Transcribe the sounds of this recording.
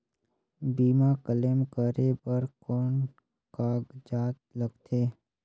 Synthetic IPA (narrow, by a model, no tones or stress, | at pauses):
biːmakəlemkəɾebəɾkɔːn | kaːɡd͡ʒaːt̪ləɡt̪ʰeː